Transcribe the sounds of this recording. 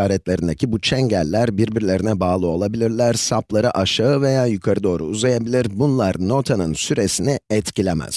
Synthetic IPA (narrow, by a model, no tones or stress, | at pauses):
aːɾɛt̪lʲe̞ɾind̪ecʰibut͡ʃʰɛɲɟælʲːæɾbiɾbiɾlʲe̞ɾinɛbaːlˠɯo̞lˠabilʲiɾlʲæɾsaplˠaɾɯʔaʃaɯve̞jaːjykʰaɾɯd̪o̞ːɾṵuzajabilʲiɾbunlˠaɾno̞t̪ʰanɯnsyɾe̞siniɛt̪cilʲemæ̰z̥